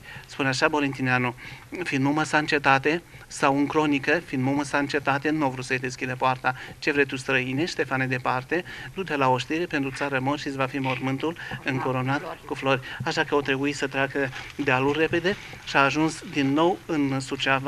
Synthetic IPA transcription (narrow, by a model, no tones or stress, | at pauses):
spuneaʃabo̞lint̪ineanufinmuməsant͡ʃe̞t̪at̪e̞ | sawɨŋkɾo̞nikəfind̪muməsant͡ʃe̞t̪at̪e̞nuovɾut̪səjd̪e̞skʲid̪əpoart̪at͡ʃe̞vɾejt̪ust̪ɾəineʃt̪e̞faned̪e̞part̪e̞d̪ut̪elao̞ʃt̪iɾepe̞nt̪ɾut̪saɾəmorʃisvafimo̞rmɨnt̪ulɨŋko̞ɾo̞nat̪kuflo̞rʲaʃakəat̪ɾe̞buisət̪ɾeakəd̪ealurʲːe̞pe̞d̪e̞ | ʃaːʒunsd̪inːo̞wɨnsut͡ʃav